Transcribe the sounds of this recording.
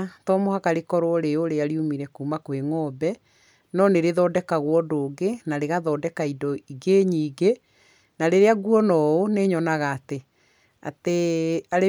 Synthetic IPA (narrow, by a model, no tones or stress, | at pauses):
tɔmohakaɾekɔɾoɔɾeoɾeaɾiumiɾɛkuːmakweŋɔːbɛ | nɔneɾeðɔːdɛkaɣwɔdoːɡenaɾeɣaðɔːdɛkaidɔiɡeɲiːɡe | naɾeɾeaɡuɔnɔoneɲɔnaɣaːte | a̰teaɾe